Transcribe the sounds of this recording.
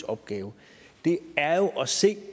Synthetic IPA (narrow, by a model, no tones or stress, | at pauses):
ɒ̽b̥ɡ̥ɛːʊə | d̥e̝æɐjo̝ʔɒ̽se̝̰ː